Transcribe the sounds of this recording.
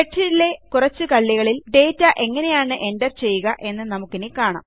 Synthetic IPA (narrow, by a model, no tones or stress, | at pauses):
eʈʂiɾile̞kurɐt͡ɕːɨkɐɭːjiɣɐɭilɖe̞ːtːɐʔe̞ŋːɐne̞jaːɳɨʔe̞ndɐrt͡ɕe̞jːuɣɐʔe̞nːɨnɐmukːinikaːɳa̰ːm